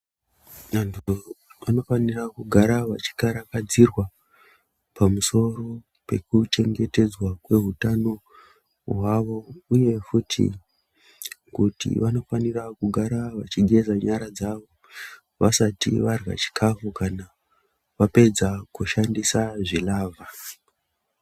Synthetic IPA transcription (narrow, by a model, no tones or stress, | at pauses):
antʰuʋano̞fanirakuɡʱaɾaʋat͡ʃi̥kaɾakad͡zirwa | pamuso̞ro̞ | pe̞̰kut͡ʃe̞ŋɡe̞te̞d͡zwakwe̞ɦutano̞ | ɦwaʋo̞uje̞futʰḭ | kutḭʋano̞fanirakuɡʱaɾaʋat͡ʃiɡʱe̞zaɲaɾad͡zaʋo̞ | ʋasatḭʋarwa̰t͡ʃi̥kʰafukana | ʋape̞d͡zakuʃandisaʐilaːvʱa